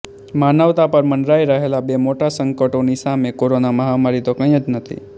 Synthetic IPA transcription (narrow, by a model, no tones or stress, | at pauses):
manəʋt̪apəɾməɳɾaiɾəɦelabemoʈasəŋkəʈonisamekoɾonaməɦamaɾit̪okə̃j̃əd͡ʒnət̪ʰḭ